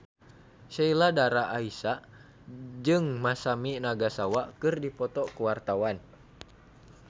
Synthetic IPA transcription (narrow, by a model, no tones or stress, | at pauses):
ʃailadaɾaʔːisa | d͡ʒɨŋmasaminaɡasawakɨrdipɔt̪ɔkuwart̪awan